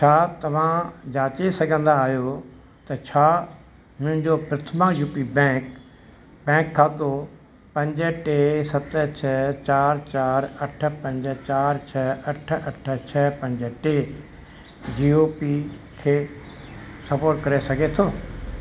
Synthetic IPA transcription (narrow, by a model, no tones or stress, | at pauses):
t͡ʃʰaːt̪ɐʋ̤ãd͡ʑaːt͡ʃesɐɡʱə̃nd̪aːɦjo | t̪ɐt͡ʃʰaː | mʊ̃ɦɪ̃ɲd͡ʑopɾɪt̪ʰəmãjuːpibɛ̃ːk | bɛ̃ːkʰːaːt̪o | pɐ̃ɲd͡ʒəʈeːsɐt̪t͡ʃʰɛt͡ɕaːɾt͡ɕaːɾɐʈʰə̆pɐ̃ɲd͡ʑt͡ɕaːɾt͡ʃʰɛɐʈʰɐʈʰə̆t͡ʃʰɛpɐ̃ɲd͡ʑə̆ʈeː | d͡ʒiːoːpi | kʰeː | sɐpoːɾʈkɐɾesɐɡʱet̪ʰoː